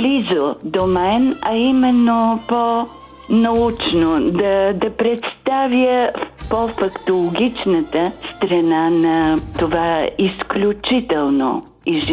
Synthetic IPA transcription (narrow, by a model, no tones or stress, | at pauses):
blizod̪omɛnɐimɛnːopo | nɐut͡ʃnod̪ɐd̪ɐpɾɛt̪st̪avjəpofɐkt̪olˠoɡʲit͡ʃnət̪əst̪ɾɐnanɐt̪ovaisklʲut͡ʃit̪ɛlˠno̰ | iʒ